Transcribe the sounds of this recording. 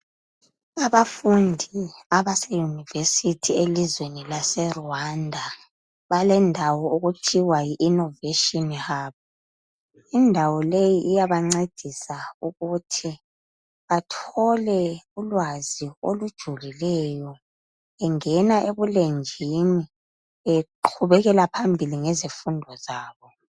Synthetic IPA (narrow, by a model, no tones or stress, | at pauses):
aβafundʱiaβasɛjunivesitʰielizwenilasɛruandʱa | βalɛndʱawɔuɣutʰiwajiʔinɔveʃɔnɣaːpʰɔ | indʱawɔlejiʔijaβaŋ͡ǀed̥ʱisauɣutʰi | βatʰɔlɛulwazio̰lud̥ʒ̥ʱulilɛjɔ | ɛŋɛnaʔeβulend͡ʒʱini | ɛǃʰuβɛɣɛlapʰambʱiliŋɛzifundʱɔzaːβɔ